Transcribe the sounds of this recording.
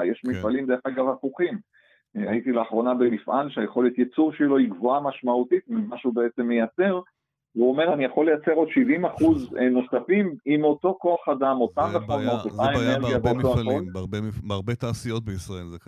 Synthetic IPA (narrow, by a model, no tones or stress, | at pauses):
jeʃmifalimd̪eeχaɡavafuχim | ait̪ileaχʁo̞nabemifʔalʃeajeχo̞let̪jet͡suʁʃeilo̞iɡvoamaʃmaut̪it̪mimaʃeubeet͡se̞mːejat͡se̞ʁ | veuo̞me̞ʁanijaχo̞lːe̞jat͡se̞ʁo̞d̪ʃivimaχuzno̞safimimo̞t̪o̞ko̞aχadamo̞t̪abeχonot̪ot̪aeneʁɡijaveot̪oaolʁbebaʁbet̪aːsijot̪̚beisʁaelze